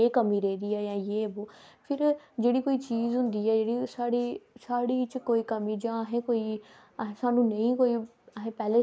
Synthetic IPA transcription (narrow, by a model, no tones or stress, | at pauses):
eːkəmĩɾɛːd̪iːɦɛːjãːjeːbopʰɪɾd͡ʒeːɽiːkoːit͡ʃiːzɦʊ̃nd̪iːɛːd͡ʒeːɽisaːɽisaːɽit͡ʃkoːiːkəmĩd͡ʒãːɦẽkoːi | ɦsaːnũːnɐĩkoːi | əɦẽpɛːle